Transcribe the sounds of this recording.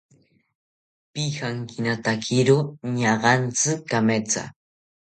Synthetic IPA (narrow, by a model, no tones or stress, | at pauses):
pixaŋkɪnat̪akʰɪɾoɲɑɢɑnt͡sɪkːamet͡sa̰